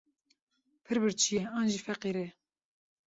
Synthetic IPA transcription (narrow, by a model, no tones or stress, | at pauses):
pʰɨɾbɨɾt͡ʃʰijeɑːnʒiːfɛqiɾe